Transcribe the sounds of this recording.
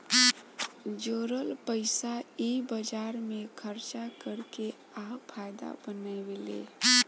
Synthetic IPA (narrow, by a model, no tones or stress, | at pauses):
d͡ʒoɾəlpəɪsaibəd͡ʒaɾmekʰəɾt͡ʃakəɾke | apʰajd̪a̰bənawelḛ